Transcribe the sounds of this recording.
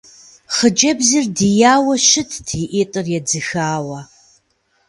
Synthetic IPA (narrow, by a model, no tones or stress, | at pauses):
χəd͡ʒɐbzɨrdijaːwɐʃɪtʰtʰiʔeːtʼɨrjɛd͡zɨxaːwɐ